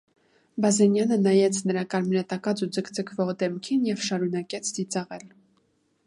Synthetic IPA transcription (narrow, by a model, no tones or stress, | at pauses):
bɑzɛnjɑnənɑjɛt͡sʰnəɾɑkɑɾmɾɛt̪ɑkɑt͡sud͡zəkʰd͡zəkʰvɔʁd̪ɛmkʰinjɛvʃɑɾunɑkɛt͡sʰd̪it͡sɑʁɛl